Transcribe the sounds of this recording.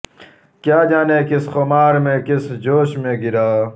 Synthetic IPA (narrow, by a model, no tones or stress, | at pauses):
kjaːd͡ʑaːneːkisxomaːɾmẽkisd͡ʑoːɕmẽɡiɾaː